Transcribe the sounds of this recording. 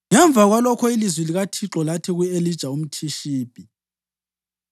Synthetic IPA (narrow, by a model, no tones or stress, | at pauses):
ŋɛɱbvʱaɣwalɔkʰɔilizwiliɣatʰiǁɔlatʰɛɣuelid̥ʒ̥ʱaum̩tʰiʃiːb̥ʼʱi